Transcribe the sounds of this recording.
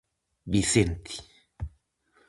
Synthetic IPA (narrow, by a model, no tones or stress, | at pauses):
bisent̪ʰi̥